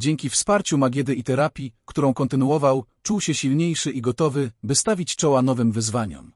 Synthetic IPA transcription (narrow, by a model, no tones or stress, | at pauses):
d͡ʑeŋkʲifspaɾt͡ɕumaɡʲɛd̪ɘit̪ɛɾapʲjikt̪uɾɔ̃w̃kɔnt̪ɘnuɔvawt͡ʂuwɕɛɕilɲejʂɘʔiɡɔt̪ɔvɘbɘst̪avʲit͡ɕt͡ʂɔwanɔvɘmvɘzvaɲɔ̰m